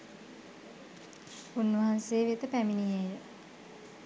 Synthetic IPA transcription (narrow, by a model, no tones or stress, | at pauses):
unʋɐɦanseːʋet̪əpæminijejə